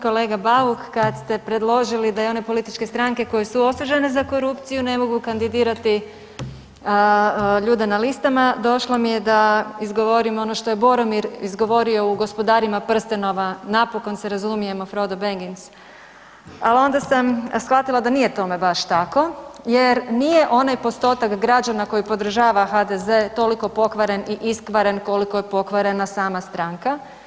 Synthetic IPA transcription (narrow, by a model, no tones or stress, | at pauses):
ko̞le̞ːɡabaukːad̪st̪e̞pɾe̞d̪lˠo̞ʒilid̪ajeo̞ne̞polit̪it͡ʃke̞st̪ɾaŋke̞ko̞jesuo̞suʒe̞nezako̞ɾupt̪sijune̞mo̞ɡukand̪id̪iːɾat̪i | ʎuːd̪e̞nalist̪amad̪o̞ʃlomije̞d̪aizɡo̞ʋo̞ɾimo̞no̞ʃt̪o̞jebo̞ɾomiɾizɡo̞ʋo̞ɾio̞uɡo̞spo̞d̪aɾimapr̩st̪eno̞ʋanapoko̞nseɾazumije̞mofɾo̞d̪obeŋɡins | alo̞nd̪asamsxʋat̪ilˠad̪anije̞t̪o̞me̞baʃt̪ako̞jeɾnije̞ʔo̞najpo̞st̪o̞t̪akɡɾad͡ʑanakojipo̞d̪r̩ʒaːʋaxad̪eze̞t̪o̞liko̞po̞kʋaɾe̞niʔiskʋaɾe̞nko̞likojepo̞kʋaɾe̞nasaːmast̪ɾaŋka